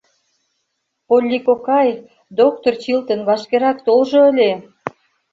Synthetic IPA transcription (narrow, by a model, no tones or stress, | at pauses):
polʲːikokɑj | d̪ok̚t̪ort͡ɕilt̪ənβɑʃkeɾɑkt̪olʒoəlʲe